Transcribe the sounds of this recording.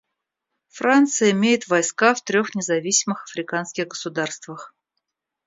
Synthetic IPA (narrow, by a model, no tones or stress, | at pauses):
frant̪sɨjəɪmʲejɪt̪vɐjskaft̪ɾʲo̞xnʲɪzɐvʲisʲɪmɨxɐfɾʲɪkanskʲɪɣɡəsʊd̪arst̪vəx